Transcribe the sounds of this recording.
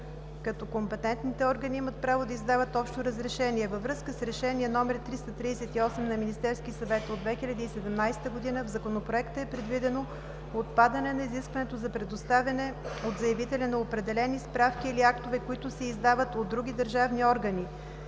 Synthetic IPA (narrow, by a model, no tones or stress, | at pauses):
kɐt̪ɔkompɛt̪ɛnt̪nit̪ɛɔɾɡənʲiimət̪̚pɾavod̪ɐizd̪avət̪ɔpʃt̪oɾəzɾɛʃɛniɛvəvɾɤskəsɾɛʃɛniɛnɔmɛɾit̪ɾist̪ət̪ɾiːsɛt̪iɔsɛmnɐminist̪ɛɾskisɐvɛt̪od̪vɛxilʲɐd̪əisɛd̪ɛmnajsɛ̥t̪əɡod̪inəvzɐkonopɾoɛkt̪əɛpɾɛd̪vid̪ɛno | ot̪pad̪ɐnɛnɐiziskvɐnɛt̪ozɐpɾɛd̪ost̪avʲɐnɛod̪zɐjɛvit̪ɛlʲɛnɐopɾɛd̪ɛlɛnispɾafkiːliakt̪ovɛkoit̪ʊsɛizd̪avət̪od̪ɾuɡ̟ʲid̪əɾʒavniɔɾɡəni